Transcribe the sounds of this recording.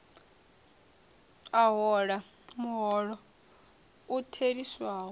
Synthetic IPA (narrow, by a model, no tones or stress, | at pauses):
aɦɔɺa | muɦɔɺɔ | utʰediswaːɦɔ